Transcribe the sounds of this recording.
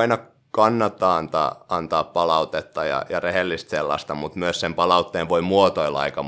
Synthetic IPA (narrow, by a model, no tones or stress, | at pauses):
inɑ | kɑnːɑt̪ːɑːɑnt̪ɑ̰ːɑnt̪ɑːppɑlɑut̪et̪ːɑjɑ̰jɑrehelːist̪selːɑ̰st̪ɑmut̪myøssempɑlɑut̪ːeːnʋoimuot̪oilɑ̰ikɑ